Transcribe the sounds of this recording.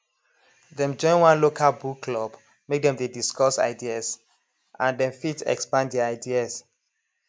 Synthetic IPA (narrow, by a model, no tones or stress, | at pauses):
dɛ̃md͡ʒɔ̃ɪ̃nwãnlokʰalbukʰːlɔb | mek̚dɛ̃mdediskɔsa̰ɪdias | ãndɛ̃mfitɛ̰kspãndɛaɪdias